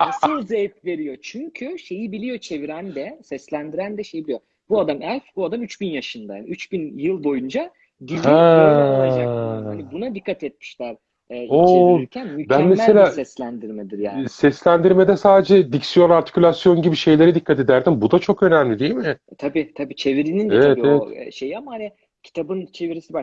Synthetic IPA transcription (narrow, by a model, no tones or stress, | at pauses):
soɾzet̪̚ve̞ɾijo̞t͡ʃʰyɲcʰyʃe̞jibilʲijo̞t͡ʃʰe̞viɾænd̪ɛsɛslʲænd̪iɾænd̪ɛʃe̞jibilʲijo | buad̪amælʲfbuad̪amyt͡ʃbinjaʃɯnd̪ajaːnḭyt͡ʃbinjɯlˠbo̞jund͡ʒa | d̪ilʲhaad͡ʒaibunad̪ikʰːat̪ɛt̪̚mi̥ʃlʲæɾ̥ | ɛoeicʰænmyænmemselʲaːsɛslʲænd̪iɾmɛd̪iɾja̰ːnsɛslʲænd̪iɾme̞d̪ɛsaːd̪ed͡ʒɛd̪icsijo̞naɾt̪ʰi̥cʰylʲasjo̞nɟibiʃe̞jlʲe̞ɾɛd̪ikʰːat̪ed̪æɾd̪imbud̪at͡ʃʰo̞kø̞næmlʲid̪ijelʲmit̪ʰabiːt̪ʰabiːt͡ʃʰe̞viɾininevɛtijevoɛ̰ʃe̞jiamahana | cʰi̥t̪ʰabɯnt͡ʃʰe̞viɾisiba